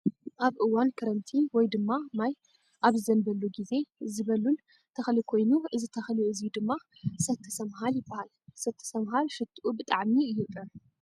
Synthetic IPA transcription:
ʔaβʔɨwankʰɐɾɐnt̪ʰiwɔjd̪ɨmːamaj | ʔaβzɨzɐnbɐlːuɡize̞ɨzɨβɐlːun | t̪ʰɐxɐlikʰo̞jnuʔɨzit̪ʰɐxliɨzijud̪ɨmːasɐt̪ʰːɨ̥sɐmɦaljɪbːahal | sɐt̪ʰːɨ̥sɐmɦalʃɨt̪ʰʼʔubɨt̪ʼaʕmiɨjut̪ʼɐ

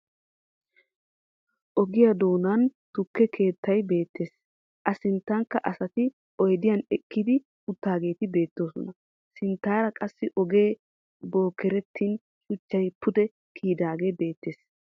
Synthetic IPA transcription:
ʔɔɡɪjɐd̪o̞ːnɐnt̪ʊkːɛkʰe̞ːt̪ʰːɐjbe̞ːt̪ʰːeːs | ʔɐsɪnt̪ːɐŋkːɐʔɐsɐt̪ɪ | ɔjd̪ɪjɐnɛkʼːɪd̪ɪ | ʊt̪ːaːɡe̞ːt̪ɪbe̞ːt̪ːo̞ːsɔ̰nɐ | sɪnt̪ːaːɾɐkʼɐsːɪʔɔɡe̞ː | bo̞ːkːɛɾɛt̪ʰːin | ʃʊt͡ʃːɐjpʰʊd̪ɛ | kʰiːd̪aːɡebe̞ːt̪ːeːs

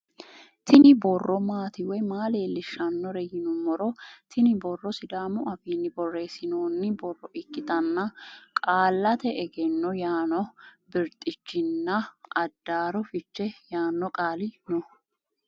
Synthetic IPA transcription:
t̪ʰɪnɪbɔrːɔmaːt̪ɪwɔjmaːle̞ːlːɪʃɐnːɔɾɛjɪnʊmːɔɾɔt̪ʰɪnɪbɔrːɔsɪd̪aːmʊɐfiːnːɪbɔrːe̞ːsɪnoːnːɪbɔrːɔʔɪkːɪt̪ɐnːɐkʼaːlːɐt̪ɛʔɛɡɛnːɔjaːnɔbɪɾt̪ʼɪt͡ʃːɪnːɐɐd̪ːaːɾɔfɪt͡ʃːɛjaːnːɔkʼaːlɪnɔ

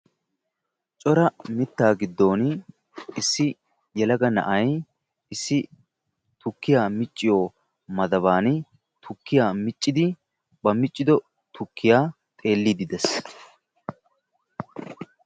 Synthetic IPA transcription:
t͡ʃʼɔɾɐmɪt̪ːaːɡɪd̪ːo̞ːn | ɪsːɪ | jɛlɐɡɐnɐ̰ʔɐj | ɪsːɪ | t̪ʊkːɪjaːmɪt͡ʃʼːɪjoː | mɐd̪ɐbaːn | t̪ʰʊkːɪjaːmɪt͡ʃʼːɪd̪ɪ | bɐmɪt͡ʃʼːɪd̪ɔ | t̪ʰʊkːɪjaː | t̪ʼe̞ːlːid̪ɪd̪ɛs

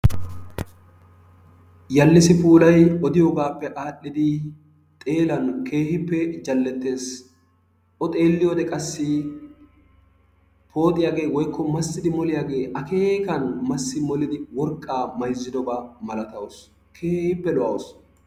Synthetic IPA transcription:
jɐlːɪsɪpuːlɐjɔd̪ɪjoːɡaːpːɛʔaːʔːɪd̪ɪ | t̪ʼe̞ːlɐnkʰe̞ːhɪpːɛd͡ʒɐlːɛt̪ːe̞ːs | ɔt̪ʼe̞ːlːɪjod̪ɛkʼɐsːɪ | pʰo̞ːt̪ʼːɪjaːɡe̞ːwɔjkʰːɔmɐsːɪd̪ɪmɔlɪjaːɡe̞ːʔɐke̞ːkɐnmɐsːɪmɔlɪd̪ɪwɔɾkʼːaːmɐjzːɪd̪ɔɡaːmɐlɐt̪ɐwɔs | kʰeːhɪpːɛlɔʔɐ̰wɔs

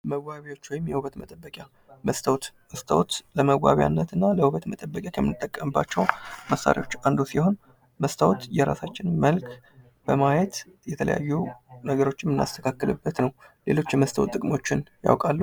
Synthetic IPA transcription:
məɡaβewo̞t͡ʃːwɔjɪmːjɛhuβət̪mət̪ʼəbːəkʼja | məst̪ʰəwt̪məst̪ʰə̰wt̪ləməɣʷa̰βja̰nːət̪ɨnːaləhuβət̪mət̪ʼəbːəkʼakʰəmːɨnɨt̪ʼːəkʼːəmɨbːa̰t͡ʃːɛwməsːa̰ɾʔḛwo̞t͡ʃːʔand̪osiho̞n | məst̪ʰəwt̪jɛɾa̰sat͡ʃːɪnməlkʰ | b̥əmajɛt̪ | jɛt̪ʰələ̰ja̰jːunəɡəɾo̞t͡ʃːɪmɨnːa̰st̪ʰə̥kʰakːɨlɨbːət̪nəwle̞̰lo̞t͡ʃːɛməst̪ʰə̰wt̪ːʼɨkʼmot͡ʃːɪnja̰wkʼalːu

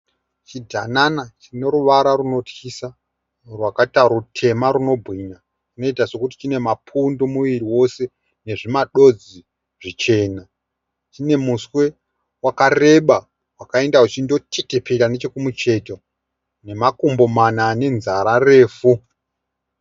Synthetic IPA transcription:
t͡ʃidʱananat͡ʃine̞ɾuʋaɾaruno̞txisa | rwakataɾutʰe̞maɾuno̞bʱwiɲa | t͡ʃino̞itaso̞kut̬i̥t͡ʃine̞mapʰundomuʋiɾiwo̞se̞ | ne̞ʐimaɗo̞d͡zi | ʐ̥it͡ʃe̞ːna | t͡ʃine̞muswe̞ | wakare̞ɓa | wakae̞ndaut͡ʃindo̞tʰetepʰeɾane̞t͡ʃekumut͡ʃe̞to | ne̞makumbo̞manane̞nzaɾare̞ːfu

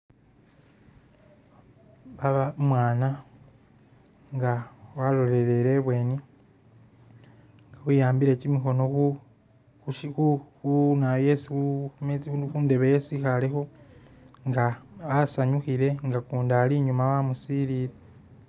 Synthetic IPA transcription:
βaβamwaːna | ŋɡawalo̞le̞ɾe̞ɾe̞βwe̞ːni | ŋɡawujaːmbiɾe̞cimixo̞no̞u | ʃxuunajesimkunde̞βeje̞sixalexo̞ | ŋɡaβasaɲuxiɾe̞ŋɡakuːndaliɲumawamusiːɾiɾe

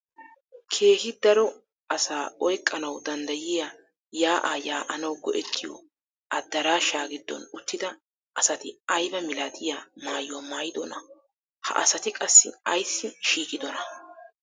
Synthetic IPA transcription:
kʰe̞ːhɪd̪ɐɾɔ | ɐsaːʔɔjkʼːɐnɐwd̪ɐnd̪ɐjɪja | jaːʔaːjaːʔɐnɐwɡɔʔɛt̪ʰːɪjɔ̰ | ʔɐd̪ːɐɾaːʃaːɡɪd̪ːɔ̰nʊt̪ːɪd̪ɐ | ʔɐsɐt̪ɪɐjbɐmɪlaːt̪ʰʼɪjaːmaːjʊwamaːjɪd̪ɔnɐ̰ | hɐ̰ʔɐsɐt̪ɪkʼɐsːɪ̰ɐjsːɪʃiːkʼɪd̪ɔnɐ

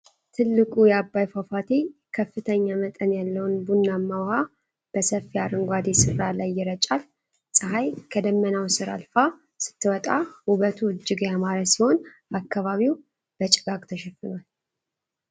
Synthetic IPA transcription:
t̪ʰɨlːɨkʼujɛabːajfafat̪ʰekʰəfːɨt̪ʰəɲːamət̪ʼənjalːəwnbunːamːawha | b̥əsəfːiaɾɨŋɡʷad̪esɨɾalajːɪɾət͡ʃʼal | sʼɨɦajkʰəd̪əmːənawsɨɾa̰lfa | sɨ̥t̪ʰːɨwɔt̪ʼauβət̪ʰuɨd͡ʒːɪɡjamaɾəsiho̞nakːaβaβiw | b̥ət͡ʃʼɪɡakʼt̪ʰəʃɛfɨnal

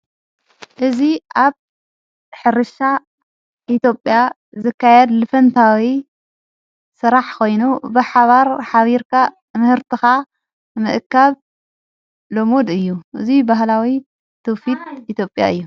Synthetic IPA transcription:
ʔɨziʔaβ | ħɨɾɨʃa | ʔit̪ʰjo̞pʼːja | zɨkːajɛd̪lɨfɐnt̪ʰawi | sɨɾaħkʰo̞jnubɨħaβaɾħaβiɾkʰa | mɨhɨɾt̪ʰɨxa | mɨʔɨkʰːaβ | lomod̪ɨjːuʔɨzibaɦlawi | t̪ʰofit̪̚ʔit̪ʰjo̞pʼja̰ɨjːu

